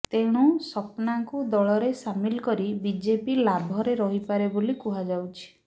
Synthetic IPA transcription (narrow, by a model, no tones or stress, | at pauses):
t̪ẽɽ̃usɔpnaŋkud̪ɔɭɔɾesamilkɔɾibid͡ʒepilabʱɔɾeɾɔɦipaɾebolikuɦad͡ʒawt͡ʃʰi̥